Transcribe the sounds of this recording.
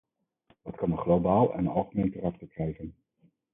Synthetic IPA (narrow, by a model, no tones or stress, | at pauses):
ʋɑtkɑnənχlobaːlˠɛ̰nənɑlˠχəmejntərɛχ̚bəkrɛjχən